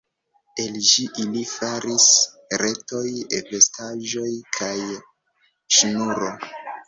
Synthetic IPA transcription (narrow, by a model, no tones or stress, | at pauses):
e̞lʃiʔilifaɾis | ɾe̞to̞jepestaʒo̞jkʰaj | ʃunuɾo̞